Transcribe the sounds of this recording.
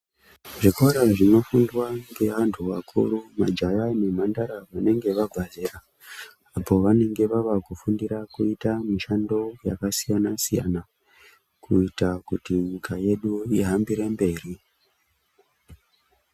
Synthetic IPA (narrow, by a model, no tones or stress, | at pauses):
ʐikoɾaʐino̞fundwaŋɡe̞ʋantʰuʋakʰṵɾumad͡ʒajane̞m̤andaɾaʋane̞ŋɡe̞ʋaɡʱwazera | apo̞ʋane̞ŋɡe̞ʋaʋakufundiɾakuitamiʃando̞ja̰kasijanasija̰na | kʰuitakutiɲikaje̞ɗuiɦambiɾembe̞ːri